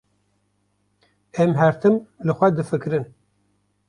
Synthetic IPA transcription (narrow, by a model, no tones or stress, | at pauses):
ɛmɦɛɾt̪ʰɨmlɨxʷɛd̪ɨfɨkɾɨn